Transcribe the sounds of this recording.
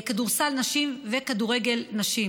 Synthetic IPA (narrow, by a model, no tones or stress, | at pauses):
kaduʁsalnaʃimvekaduʁeɡe̞lnaʃi